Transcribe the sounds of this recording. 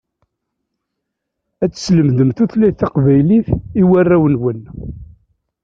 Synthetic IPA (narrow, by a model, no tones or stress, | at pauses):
æt͡sːə̥sləmðəmθuθlæθɑqvæjliθiwærːæwənwən